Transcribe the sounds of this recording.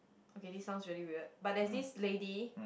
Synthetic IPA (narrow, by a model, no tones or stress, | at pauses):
okedisːãʊ̃nsɹiliɹiəbat̚ɛsdisledi